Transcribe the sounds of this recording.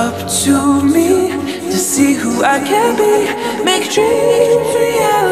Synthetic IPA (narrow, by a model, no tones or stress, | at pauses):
ʌp̚tʰumi | tʰɨsihuaɪkʰɨ̃nbi | meɪk̚tʰɹ̥i